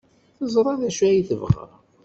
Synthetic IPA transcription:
θəzˤɾˤɑðæʃæjiθəvʁə̰ɾ

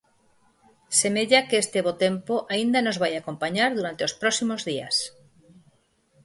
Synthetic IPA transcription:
semeʎakeest̪eβot̪empoʔaĩnd̪ano̞zβajako̞mpaɲaɾðuɾant̪eospɾosimozðia̰s

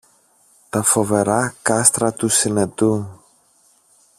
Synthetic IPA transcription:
t̪ɐfo̞ve̞ɾɐkɐst̪ɾɐt̪usine̞t̪u

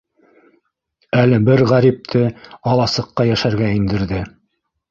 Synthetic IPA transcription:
ælɘbɘɾʁæɾip̚t̪ʰɘɑlˠɑsɤ̆qːɑjæʃæɾɡæind̪ɘ̆ɾðɘ

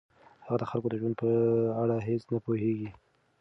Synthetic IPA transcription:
haɣad̪əxalkod̪əʒwand̪̚pəaɽaɦesnapoheɡi

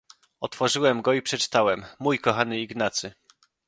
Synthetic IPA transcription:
ɔt̪fɔʐɘwɛmɡɔipʂɛt͡ʂɘ̥t̪awɛmːujkɔxanɘiɡnat̪sɘ

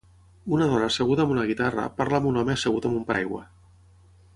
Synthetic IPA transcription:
unɐð̞ɔnəːseɣ̞ut̪aəmunəɣ̞it̪arə̰paɾləːmunɔmeːseɣut̪əmumpa̰jɣwə̰

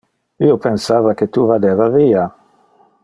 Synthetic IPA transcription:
iːopensaːvaket̪uvad̪eːvaviːa

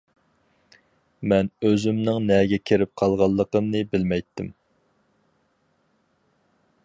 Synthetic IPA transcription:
mɛnøzymnɪŋnɛɡʲɛkʲʰeɾɪp̚qʰɑlˠʁɑlˠːəqəmnɨbɪlmɛjt̪ʰːɪm

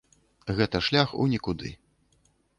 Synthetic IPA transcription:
ɣɛt̪ɐʂlʲaxṵnʲikud̪ɨ̰

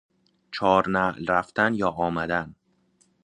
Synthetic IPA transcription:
t͡ʃʰɒːɾnæʔlɾæft̪ænjɒːʔɒːmæd̪æn

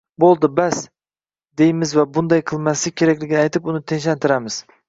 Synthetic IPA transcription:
bolˠd̪ɪbas | d̪e̞jɪmɪzvabʊnd̪ajqʰɨlˠmasɪkʲʰe̞ɾakʲlɪɡʲɪnɪajt̪ʰɪpʊnɪt̪ʰenʃ̬lant̪ʰɪɾamɪz̥

